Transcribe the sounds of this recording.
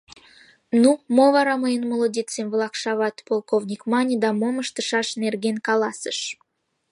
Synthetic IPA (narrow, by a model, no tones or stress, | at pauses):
numovɑɾɑməjənmolˠod̪ʲit͡semvlˠɑkʃɑβɑt̪polˠkovnʲikmɑnʲid̪ɑmoməʃt̪əʃɑʃnerɡenkɑlˠɑsə̥ʃ